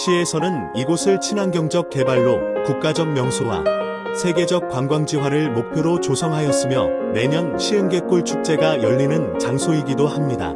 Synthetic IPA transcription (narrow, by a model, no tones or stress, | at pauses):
ɕʰie̞sʰʌnɯniɡosʰɯɭt͡ɕʰinanɡjʌŋd͡ʑʌk̚k͈e̞baɭːokuk̚k͈ad͡ʑʌk̚mjʌŋsʰowa̰ | sʰe̞ɡe̞d͡ʑʌk̚k͈waŋɡwaŋd͡ʑiwaɾɯɭmok̚pʰjoɾot͡ɕosʰʌŋɦajʌs͈ɯmjʌne̞ɲʌnɕʰieŋɡe̞k͈uɭt͡ɕʰuk̚t͡ɕ͈e̞ɡajʌʎːinɯnt͡ɕaŋsʰoiɡidohamɲida̰